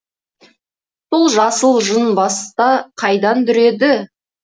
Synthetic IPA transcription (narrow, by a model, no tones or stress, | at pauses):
b̥ʊlˠʒɑsəlˠʒənbɑst̪ɑqʰɑjd̪ɑnt̪ʏɾe̞d̪ɪ